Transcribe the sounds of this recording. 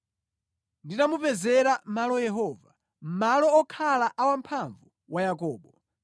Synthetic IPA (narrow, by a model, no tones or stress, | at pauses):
ndinamupɛzɛɾamalɔjɛɦɔva | m̩malɔːkʰalaʔawampʰaɱvu | wajakɔːɓɔ